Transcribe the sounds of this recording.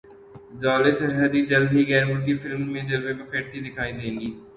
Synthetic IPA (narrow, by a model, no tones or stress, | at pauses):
zaːlesɐɾɦəd̪id͡ʒɐld̪ʱiɡɛːɾmʊɾkifɪlmːẽd͡ʒɐlʋebɐkʰeʈ̚t̪ʰid̪ɪkʰaːĩd̪eːŋɡiː